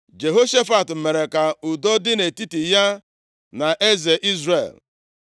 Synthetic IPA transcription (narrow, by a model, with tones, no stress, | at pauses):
d͡ʒe˨ɦo˦ʃe˦fa˨tm̩˨me˨ɾe˨ka˨ʊ˨dɔ˦dɪ˦ne˨ti˦ti˨ja˦ | na˨ʔe˦ze˨ʔi˦zɾḛ˨l